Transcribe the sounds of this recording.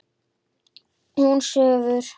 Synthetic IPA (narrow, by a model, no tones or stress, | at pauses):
hunsœːðʏɾ̥